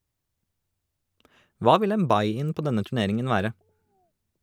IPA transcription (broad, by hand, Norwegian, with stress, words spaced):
ˈʋɑː ˈʋɪl ˈeːm ˈbɑɪɪn ˈpoː ˈdɛnə tʉˈneːɾɪŋən ˈʋæːɾə